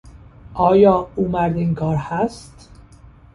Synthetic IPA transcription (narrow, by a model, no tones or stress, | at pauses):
ʔɒːjɒːuːmæɾd̪iːŋkʰɒːɾhæst̪